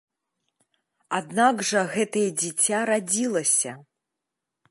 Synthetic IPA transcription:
ad̪naɡʐɐɣɛt̪ɐjɛd͡zʲit͡sʲaɾad͡zʲilˠɐsʲɐ

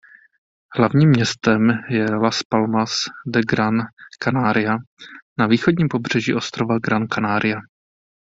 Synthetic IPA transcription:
hlavɲiːmːɲɛst̪ɛmjɛlaspalmasdɛɡɾankanaːɾɪjanaviːxod̚ɲiːmpo̞br̝̥ɛʒḭʔo̞st̪ɾovaɡɾankanaːɾɪja

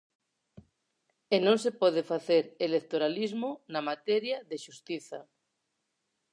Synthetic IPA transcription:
enõŋs̬epɔð̞efaθeɾelekt̪oɾalizmonamat̪eɾjaðeʃust̪iθa̰

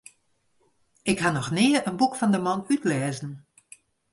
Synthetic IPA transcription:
ɪkhanɔxnɪərənbukfɔndəmɔnytlɛːzən̩

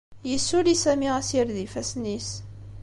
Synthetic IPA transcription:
jəsːulisæmiʁæsiɾðifæsnis

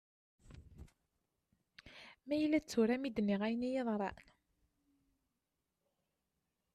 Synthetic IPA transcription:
mæjəlːæt͡sːuɾæmid̪nːiʁæjənijeðˤɾˤɑ̰n

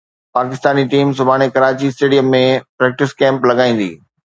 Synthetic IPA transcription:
paːkɪst̪aːniʈiːmsʊbʱaːɽ̃ekɐɾaːt͡ɕiɪsʈeːɖijəmːẽpɾɛːk̚ʈɪskɛ̃ːmplɐɡaːĩːn̆d̪ḭː

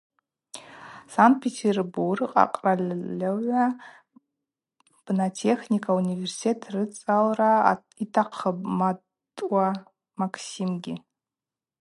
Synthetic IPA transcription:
sant̚pʰʲetʰerburqʼa̰qʼralʲːaɥʷa | b̥natʰe̞χnikʰaunʲiversi̥tʰetʰrɨt͡sʼalra | itʰaqʰəbma | tʼwa | maksimɡʲɪ

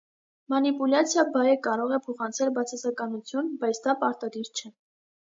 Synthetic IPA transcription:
mɑnipulɑt͡sʰjɑbɑjəkɑɾɔʁɛpʰɔχɑnt͡sʰɛlbɑt͡sʰɑsɑkɑnut͡sʰjunbɑjt͡sʰd̪ɑpɑɾt̪ɑd̪iɾt͡ʃʰɛ

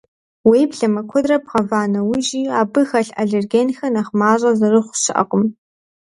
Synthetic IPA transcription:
wijbɮɐmɐkʷʰɔdrɐbʁɐvaːnɐwʊʒiːaːbɨxɐɬaɮerɡeːnxɐnɐχmaːɕʼɐzɐrɨχʷʃɨʔɐ̰qʼʊm

